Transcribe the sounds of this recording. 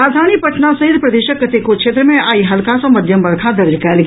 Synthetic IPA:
aːd̪ʱaːnipɐʈnasɐɦid̪pɾɐd̪eːʃəkːɐt̪ekokʃʰeːt̪ɾəmẽʔaːiɦɐlkasɐ̃mɐd̪ʱjəmbɐɾkʰad̪ɐɾd͡ʒkɛːlɡ

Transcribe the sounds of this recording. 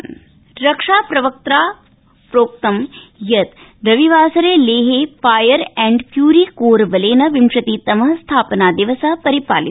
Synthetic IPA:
ɾɐkʂaːpɾɐʋɐk̚t̪ɾaː | pɾoːk̚t̪ɐmjɐt̪ | ɾɐʋiʋaːsɐɾeːleːɦeːfaːjɐɾɛɳɖpʰjuːɾiːkoːɾbɐleːnɐʋimʂɐt̪iːt̪ɐmɐɦɐst̪ʰaːpɐnaːd̪iʋɐsaɦpɐɾipaːli

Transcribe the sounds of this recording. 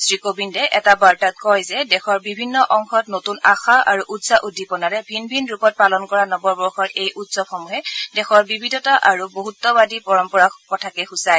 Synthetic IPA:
sɹikobindɛʔɛtabaɹtat̚kɔjzɛdɛxɔɹbibʱinːɔʔɔŋxɔtnotunaxaʔaɹuʔutsaʔudʱːipɔnaɹɛbʱinbʱinɹupɔt̚palɔnkɔɹanɔbɔɹbɔɹxɔɹejʔutsɔb̚xɔmuɦɛdɛxɔɹbibʱidʱɔtaʔaɹuboɦutːɔbadipɔɹɔmpɔɹakɔtʰakɛxusaj

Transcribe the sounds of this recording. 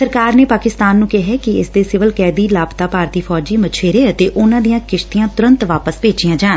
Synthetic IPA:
səɾkaːɾneːpaːkɪst̪aːnːũːkɪɦɛːkɪɪ̰sd̪eːsɪʋəlkɛːd̪iːlaːpt̪aːpaːɾt̪iːpʰɔːd͡ʒiːmət͡ʃʰeːɾeːət̪eːʔʊnãːd̪ijãːkɪʃt̪ijãːt̪ʊɾə̃nt̪ʋaːpəspeːd͡ʒijãːd͡ʒaːn

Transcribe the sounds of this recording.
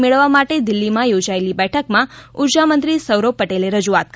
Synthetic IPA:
meɭəʋːamaʈed̪ɪlːimãjod͡ʒaelibɛʈʰəkmãʊɾd͡ʒamə̃nt̪ɾisəwɾopːəʈeleɾəd͡ʒuat̪̚k

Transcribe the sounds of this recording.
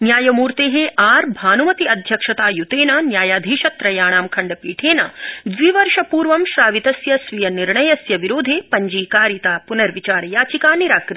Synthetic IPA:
njaːjɐmuːɾt̪eːɦeʔaːɾbʱaːnumɐt̪iɐd̪ʱjɐkʂɐt̪aːjut̪eːnaːnjaːjaːd̪ʱiːʃɐt̪ɾɐjaːɳaːmkʰɐɳɖɐpiːʈʰeːna̰d̪ʋiʋɐɾʃɐpuːɾʋɐmʃaːʋit̪ɐsjɐsʋijɐniɾɳɐjɐsjɐʋiɾoːd̪ʱeːpɐɲd͡ʒiːkaːɾjit̪aːpunɐɾʋit͡ʃaːɾjaːt͡ʃikaːniɾaːkɾɪt̪i̥

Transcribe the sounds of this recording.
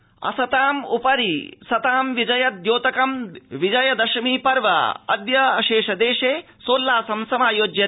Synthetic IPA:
ɐ̰sɐt̪aːmṵpɐɾḭsɐt̪aːmʋid͡ʒɐjɐd̪joːt̪ɐkɐmʋid͡ʒɐjɐd̪ɐʃmiːpɐɾʋɐ̰ɐ̰d̪jɐɐʃeːʂɐd̪eːʃeː | soːlːaːsɐmsɐmaːjoːd͡ʒjɐ

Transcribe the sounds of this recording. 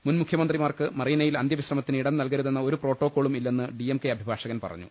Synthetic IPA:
munmukʰjɐmɐnd̪rimaːrkɨmɐrijɐnɐjilɐnd̪jɐʋiɕrɐmɐt̪ːinɨiɽɐnnɐlkɐɾuðenːɐo̞ɾupro̞ːʈːoːkːo̞ːɭumilːenːɨɖiemkeɐbʱibʱaːʂɐɣɐnpɐ̰rɐ̰ɲːṵ

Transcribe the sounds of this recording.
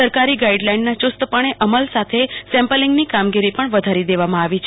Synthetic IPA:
əɾkaɾiɡaiɖlainːat͡ʃʊst̪əpaɽ̃eʔəməlsat̪ʰesɛ̃mpəlɪŋɡnikamɡiɾipəɳʋəd̪ʱaɾid̪eʋamãaʋit͡ʃʰ

